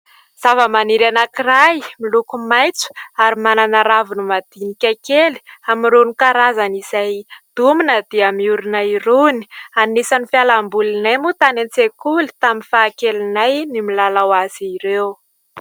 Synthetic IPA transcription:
z̥avəmaniɾanakirajmilukumajt͡su̥aɾimananaɾavunumad̪̥inikʲakeli̥amiɾunikaɾazanizajd̪̥uminəd̪̥eamiuɾunairuni̥anisanifjalambulinajmut̪anent͡sekuli̥t̪aminfaːkelinajnimilalawaz̥iɾew

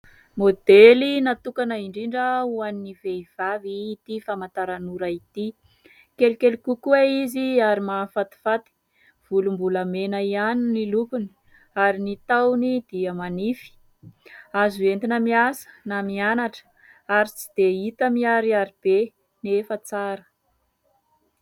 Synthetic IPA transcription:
mod̪elinat̪ukanəiɳɖ͡ʐiɳɖ͡ʐəuaniniveiv̥aviːt̪ifamant̪aɾanuɾait̪i | kelukelukukueiziaɾimafat̪i̥fat̪i̥ | v̥ulumbuləmenəianinilukuni̥ | aɾinit̪awnid̪iəmanifi̥ | azuent̪inəmiasə̥namianaʈ͡ʂə̥ | aɾit͡si̥d̪̥eit̪əmiaɾiaɾib̥e | nefət͡saɾə̥

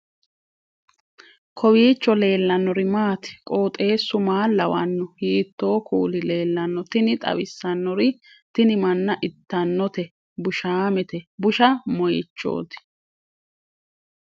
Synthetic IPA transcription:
kʰɔwiːt͡ʃːɔle̞ːlːɐnːɔɾɪmaːt̪ɪ̥kʼo̞ːt̪ʼe̞ːsʊmaːlɐwɐnːɔhiːt̪ːo̞ːkʰuːlɪle̞ːlːɐnːɔt̪ɪnɪt̪ʼɐ̰wɪsːɐnːɔɾɪ | t̪ɪnɪmɐnːɐʔɪt̪ːɐnːɔt̪ɛ | bʊʃaːmɛt̪ɛbʊʃɐmɔjɪt͡ʃːo̞̰ːt̪ɪ̥

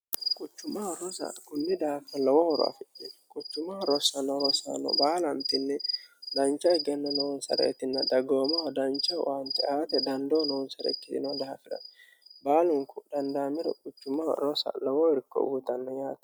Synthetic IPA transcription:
kʼʊt͡ʃːʊmaɾɔsɐ̰kʊnːɪd̪ahafɐlɔwɔhɾa̰fɛᶑekʼʊt͡ʃːʊmaɾɔsɐnːɔɾɔsa̰nɔ̰baːlɐmt̪ɪnːɛd̪ɐnt͡ʃːɐɛɡɛnːɐnɔwɔnsɐ̰ɾḛːt̪ɪnːɐd̪ɐɡoːmɔwd̪ɐnt͡ʃːɐwɐnt̪ːɛaːt̪ɛd̪ɐnd̪oːnɔwɔnsɐɾɛ̰kːɪsɪ̰nɔd̪ahafɪdɐ̰n | baːlʊŋkʊd̪̥ɐnd̪aːmɪɾɔ̰kʼʊt͡ʃːʊmɐɾɔsɐ̰lɔwɔwɔɾkːɔ̰ʔuːt̪ɐnːɐjaːt̪ɛ̥

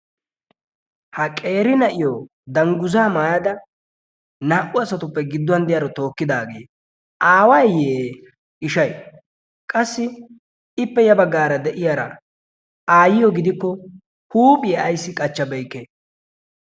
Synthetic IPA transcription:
hɐkʼe̞ːɾɪnɐʔɪjo | d̪ɐŋɡʊzaːmaːjɐd̪ɐ | naːʔʊɐsɐt̪ʊpːɛɡɪd̪ːʊɐnd̪ɪjaːɾɔt̪o̞ːkːɪd̪aːɡe̞̰ː | aːwɐjjeː | ɪʃɐj | kʼɐsːɪ | ɪpːɛjɐbɐɡːaːɾɐd̪ɛʔɪjaːɾɐ̰ | aːjɪjɔɡɪd̪ɪkːɔ | huːpʼɪjɛʔɐjsːɪkʼɐt͡ʃːɐbɛjkːe

